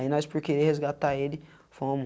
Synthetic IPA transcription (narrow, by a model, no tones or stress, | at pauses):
ĩnɔ̃jspʊɾkeɾehezɡat̪aelɪ | fõm